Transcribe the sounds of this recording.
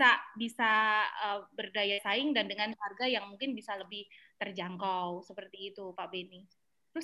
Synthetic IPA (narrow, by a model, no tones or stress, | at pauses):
sabisaəbərdajasaɪŋdandəŋankarɡajaŋmuŋkɪnbisaləbɪht̪ərd͡ʒaŋkawsəpərt̪iːt̪upabeni | t̪əɾʊs